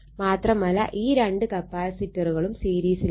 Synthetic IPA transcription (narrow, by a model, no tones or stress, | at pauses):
maːt̪rɐmɐla̰ʔiːɾɐɳɖɯkɐpːaːsɪʈːɐɾɯɣɐɭɯmsiːɾiːsɪ